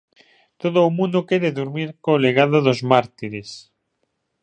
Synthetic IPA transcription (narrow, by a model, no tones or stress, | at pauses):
t̪oðoːmũnd̪okeɾeðuɾmiɾkoleɣaðoðozmaɾt̪iɾes